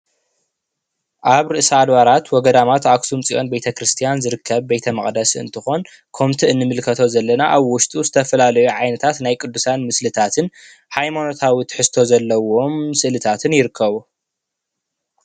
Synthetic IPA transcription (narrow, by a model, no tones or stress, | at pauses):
ʔaβɾɨʔsɐad̪βaɾat̪wɔɡɐd̪amat̪aksumt͡sʼiʔo̞nbejt̪ʰɐkɾɨst̪ʰijanzɨɾɨkʰːɐβbe̞jt̪ʰɐmɐχʼd̪ɐsɨ̰nt̪ʰɨxo̞n | kʰomt̪ʰiɨnːɨmɨlkʰɐt̪ʰo̞zɐlːɐnaʔaβwʊʃt̪ʼuzɨt̪ʰɐfɐlalɐjuʕajnɐt̪ʰat̪najkʼɨd̪ːusanmɨslɨt̪ʰat̪ʰɨn | ħajmano̞t̪ʰawit̪ʰħɨst̪ʰo̞zɐlːɐwo̞msɨʔlɨt̪ʰat̪ʰɨnjɪɾɨkːɐβu